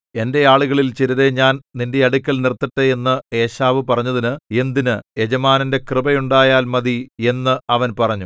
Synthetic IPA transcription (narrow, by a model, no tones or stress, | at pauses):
e̞nde̞aːɭuɣɐɭilt͡ɕiɾɐɾeɲaːnninde̞ɐɽukʲːɐlnirt̪ːɐʈːɐe̞nːɨe̞ːɕaːʋɨpɐrɐɲːɐðinɨe̞nd̪inɨe̞d͡ʑɐmaːnɐnde̞krɨbɐjuɳɖaːjaːlmɐðie̞nːɨɐʋɐnpɐrɐɲːu